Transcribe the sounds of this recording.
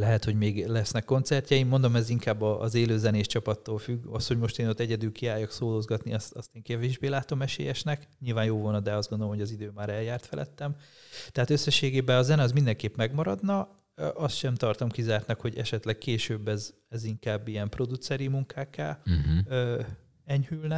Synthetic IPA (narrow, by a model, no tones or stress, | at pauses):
lɛɦɛt̪ho̞ɟmeːɡlɛsnɛkːo̞nt̪sɛrcɛimːond̪o̞mɛziŋkaːbːɒʔːzeːløːzɛneːʃt͡ʃɒpɒt̪ːoːlfyɡɒst̪ho̞ɟmo̞ʃt̪eːno̞t̪ːɛɟɛd̪ylkiaːjːɒksoːloːzɡɒt̪niɒst̪ɒ̰st̪eːŋkɛveːʒbeːlaːt̪o̞mɛʃḛːjɛʃnɛkɲilvaːnjoːvo̞lnɒd̪ɛɒzɡo̞nd̪olomɦoɟɒzid̪øːmaːɾɛljaːrt̪fɛlʔɛ̰t̪ːɛm | t̪ɛɦaːt̪ø̞sːɛʃeːɡeːbɛɒzɛnɛɒzmind̪ɛŋkeːpmɛɡmɒɾɒd̪nɒ | ʔɒst̪ʃɛmt̪ɒrt̪ɒmkizaːrt̪nɒkho̞ɟɛ̰ʃɛt̪lɛɡ̚keːʃøːbːɛz | ɛziŋkaːbːijɛmpro̞d̪ut̪sɛɾimuŋkʰaːkːa̰ːø | ɛɲhylnɛ